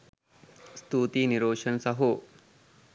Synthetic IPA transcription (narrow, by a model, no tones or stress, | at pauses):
st̪uːt̪iniɾoːʂɐnsɐɦu